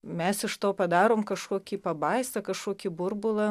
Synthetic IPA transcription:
mʲɛsɪʃt̪oːpɐd̪ɑːɾoːmkɐʃkoɔkʲiːpɐbɐɪst̪ɐkɐʃkoɔkʲibʊɾbʊlˠɐ

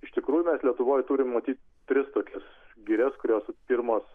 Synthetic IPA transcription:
ɪʃʲt̪ʲɪkɾuːjʊmʲɛslʲiɛt̪ʊʋoːjt̪uːɾʲɪmmɐt̪ʲiːt̪̚ʲ | t̪ʲɾʲɪst̪oːkʲɛsɡʲiɾʲɛskʊɾʲoːspʲiɾmoːs

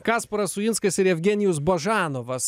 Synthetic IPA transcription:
kɑːspɐɾɐsʊɪnskɐsɪɾɛfʲɡʲɛnʲɪjʊs̬bɐʒɑːnoʋɐs

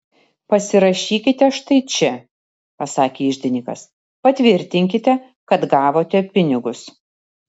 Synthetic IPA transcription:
pɐsʲɪɾɐʃʲiːkʲɪt̪ʲɛʃt̪ɐɪt͡ʃʲɛ | pɐsɑːkʲeːɪʒʲd̪ʲɪnʲɪkɐ̰s | pɐt̪ʲʋʲɪɾʲt̪ʲɪŋʲkʲɪt̪ʲɛ | kɐt̪ɡɑːʋoːt̪ʲɛpʲɪnʲɪɡʊs

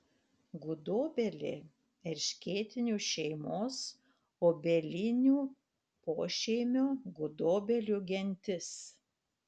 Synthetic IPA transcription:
ɡʊd̪oːbʲɛlʲḛː | ɛɾʲʃʲkʲeːt̪ʲɪnʲuːʃʲɛɪmoːs | oːbʲɛlʲɪnʲuː | poːʃʲɛɪmʲʊɡʊd̪oːbʲɛlʲuːɡʲɛnʲt̪ʲɪs

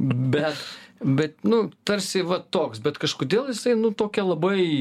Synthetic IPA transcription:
bʲɛt̪bʲɛt̪̚nʊt̪ɐɾʲsʲɪʋɐt̪oːksbʲɛt̪kɐʃkoːd̪ʲeːlˠjɪsɐɪnʊt̪oːkʲɛlˠɐbɐɪ

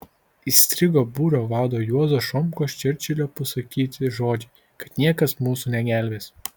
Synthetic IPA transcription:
isʲt̪ʲɾʲɪɡoːbuːɾoːʋɑːd̪oːjuɔzoːʃɔmkoːʃʲt͡ʃʲɪɾʲt͡ʃʲɛlʲoːpɐsɐkʲiːt̪ʲɪʒoːd͡ʒʲɪ | kɐt̪nʲiɛkɐsmuːsuːnʲɛɡʲæˑlʲʋʲeːs

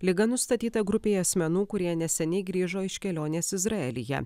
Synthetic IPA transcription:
lʲɪɡɐnʊst̪ɐt̪ʲiːt̪ɐɡɾʊpʲeːɪɐsʲmʲɛnuːkʊɾʲiɛnʲɛsʲɛnʲɛɪɡɾʲiːʒoːɪʃʲkʲɛlʲoːnʲeːsɪzɾɐɛlʲɪjɛ̰

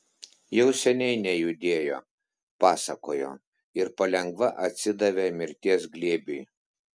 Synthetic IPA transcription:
jɛʊsʲɛnʲɛɪnʲɛjʊd̪ʲeːjo̰ː | pɑːsɐkoːjo̰ː | ɪɾpɐlʲɛŋɡʋɐʔɐt̪ʲsʲɪd̪ɐʋʲeːmʲɪɾʲt̪ʲiɛsɡlʲiɛbʲyj

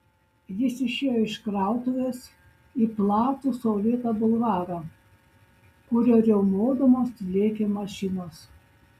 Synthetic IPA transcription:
jɪsɪʃʲeːjoːɪʃkɾɑˑʊt̪oːʋʲes | iːplˠɑːt̪uːsoːlʲiːt̪ɐbʊlˠʋɑːɾɐ | kʊɾʲoːɾʲɛʊmoːd̪omoːslʲeːkʲeːmɐʃʲɪnoːs

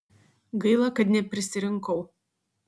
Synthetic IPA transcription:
ɡɐɪlˠɐkɐt̪nʲɛpʲɾʲɪsʲɪɾʲɪŋkɐʊ

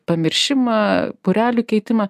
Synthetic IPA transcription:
pɐmʲɪɾʲʃʲɪmɐpʊɾʲæːlʲukʲɛɪt̪ʲɪmɐ

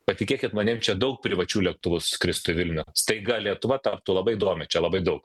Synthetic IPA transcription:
pɐt̪ʲɪkʲeːkʲɪt̪mɐnʲeːmt͡ʃʲɛd̪ɐʊk̚pʲɾʲɪʋɐt͡ʃʲuːlʲiɛk̚t̪ʊʋʊskɾʲɪst̪ʊɪʋʲɪlʲnʲɛst̪ɐɪɡɐlʲiɛt̪ʊʋɐt̪ɐp̚t̪ʊːlˠɐbɐɪɪd̪oːmʲɪt͡ʃʲɛlˠɐbɐɪd̪ɐʊk

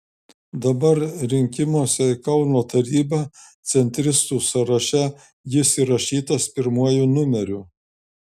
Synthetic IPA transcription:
d̪ɐbɐɾɾʲɪŋʲkʲɪmuɔsʲɛɪkɐʊnoːt̪ɐɾʲiːbɑt̪sʲɛnʲt̪ʲɾʲɪst̪uːsɐɾɐʃʲɛ | jɪsiɾɐʃʲiːt̪ɐspʲɪɾmuɔjuːnʊmʲɛɾʲuː

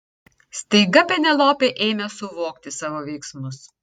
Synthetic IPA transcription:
sʲt̪ʲɐɪɡɐpʲɛnʲɛlˠoːpʲeʔeːmʲɛsʊʋoːkt̪ʲɪsɑːʋoːʋʲɛɪksmʊs

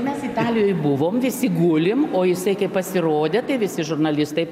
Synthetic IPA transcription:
mʲɛsɪt̪ɑːlʲɪjoːjbʊʋoːmʋʲɪsʲɪɡʊlʲɪmoːjɪsɐɪkɐɪppɐsʲɪɾoːd̪ʲeːt̪ɐɪʋʲɪsʲɪʒʊrnɐlʲɪst̪ɐɪ

